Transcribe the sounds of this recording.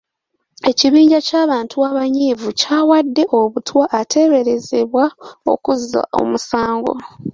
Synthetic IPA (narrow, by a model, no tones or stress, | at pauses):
e̞ciβiːɲɟacaːβaːntʰuaβaɲiːvucaːwadːe̞ʔoβutwaʔːtʰe̞ːβe̞ɾe̞ze̞βwao̞̰kuza̰o̞̰musaːŋɡo̞̰